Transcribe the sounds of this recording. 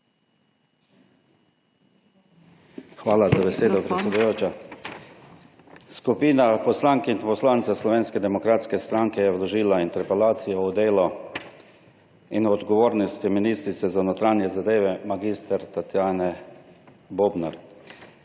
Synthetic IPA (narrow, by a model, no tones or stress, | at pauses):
xʋaːlazabɛseːd̪ɔpɾɛt̪sʲɛd̪ujoːt͡ʃa | skupiːnapɔslaŋkinpɔslaːnt̪saslɔʋeːnskɛd̪ɛmɔkɾaːt̪skɛst̪ɾaŋkɛjɛwlɔʒiːlaint̪ɛɾpɛlaːt̪sijɔud̪eːlɔ | inɔd̪ɡɔʋoːɾnɔst̪iminiːst̪ɾit̪sɛzanɔt̪ɾaːnjɛzad̪eːʋɛmaɡist̪ɛɾt̪at̪jaːnɛ | boːbnaɾ